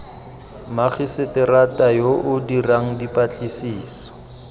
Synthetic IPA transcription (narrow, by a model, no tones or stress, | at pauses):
maχisɪtɛratajoʔʊdiraŋ̩dipat͡ɬʼisiːsɔ̥